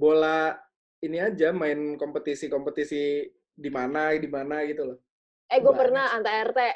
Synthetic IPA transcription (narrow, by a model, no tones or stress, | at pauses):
bola | iniad͡ʒamaɪnkompət̪isikompət̪isi | dimanadimanaɡit̪ulɔh | ʔɛɡuɛpərnahant̪aɛrt̪e